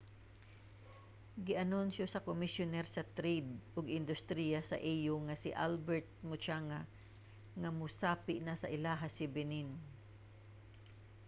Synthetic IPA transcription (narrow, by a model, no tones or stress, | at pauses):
ɡɪʔanʊnsjosɐkomɪsjʊnɛɾsɐt̪ɾid̪̚ʔʊɡɪnd̪ʊst̪ɾijasa̰ʔijʊŋasɪʔalbɛɹt̪̚mʊt͡ʃaŋa | ŋamʊsaːpɪʔnasaʔɪlaɦasɪbɪnin